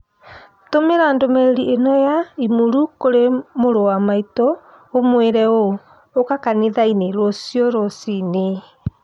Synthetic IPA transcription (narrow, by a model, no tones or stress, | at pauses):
tomeɾaːndomɛɾɾiʔenɔjaimuɾukoɾemoɾowamaitɔː | mweɾɛo | okakaneðaineɾwɔsiɔɾɔsine